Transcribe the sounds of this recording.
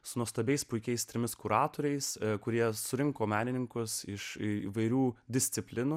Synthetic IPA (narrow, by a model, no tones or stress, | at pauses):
sʊnuɔst̪ɐbʲɛɪspʊɪkʲɛɪst̪ʲɾʲɪmʲɪskʊɾɑːt̪oːɾʲɛɪskʊɾʲiɛsʊɾʲɪŋkoːmʲæːnʲɪnʲɪŋkʊsɪʃiːʋɐɪɾʲuːd̪ʲɪsʲt̪sʲɪpʲlʲɪnuː